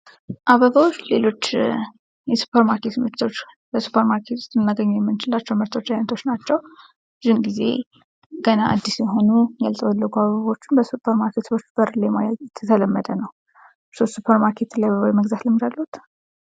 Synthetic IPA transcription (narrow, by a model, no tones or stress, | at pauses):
ʔaβəβawot͡ʃːlelo̞t͡ʃː | jɛsu̥pʰəɾmaɾkʰe̞t̪mɨɾt̪ʰo̞t͡ʃː | bəsu̥pʰəɾmaɾkʰet̪ʰu̥st̪ʼːɨnnaɡəɲːujɛmːɨnt͡ʃɪlat͡ʃːɛwmɨɾt̪ʰo̞t͡ʃːajnt̪ʰo̞t͡ʃːnat͡ʃːɛw | ɨzɨnɡize̞̰ | ɡ̥ənaʔad̪ːisjɛɦo̞nujalt̪ʼəwɔlːəɡuaβəβao̞t͡ʃːɪnbəsupʰəɾmaɾkʰet̪ot͡ʃːb̥əɾlemajaɛt̪ʰət̪ʰələmːəd̪ənəw | sost̪supʰəɾmaɾkʰe̞t̪lajaβəβawjməɡzat̪ləmːid͡ʒalːəhut̪